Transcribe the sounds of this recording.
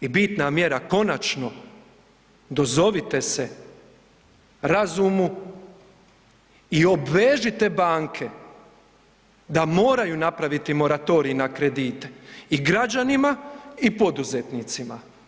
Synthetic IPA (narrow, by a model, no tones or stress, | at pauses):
ibit̪namje̞ɾako̞nat͡ʃno̞ | d̪o̞zo̞ʋit̪e̞se | ɾazumu | io̞bʋeːʒit̪e̞baːŋkʰe̞ | d̪amo̞ːɾajunapɾaʋit̪imo̞ɾat̪o̞ːɾiinakɾe̞d̪iːt̪eiɡɾad͡ʒanimaipo̞d̪uzet̪niːt̪sima